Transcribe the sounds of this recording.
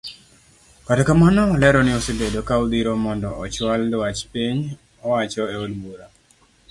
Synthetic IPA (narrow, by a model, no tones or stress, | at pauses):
kadkamanɔːlɛɾɔnɪɔsebedokaud̪iɾɔmɔndɔʔɔt͡ʃwaldwat͡ʃpiɲ | ɔwat͡ʃɔeodwuɾa